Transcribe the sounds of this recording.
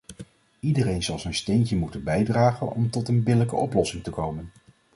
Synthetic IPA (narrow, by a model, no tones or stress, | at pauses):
idərejnzɑlˠzəjnstejncəmutənbɛjdraːχənɔ̰mtɔtənbɪləkə̰ʔɔplɔsɪŋtəkowmən